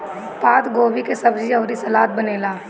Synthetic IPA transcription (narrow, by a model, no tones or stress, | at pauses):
paːt̪ɡoːbikesɐbd͡ʒiɔːɾisɐlaːt̪̚bɐneːlaː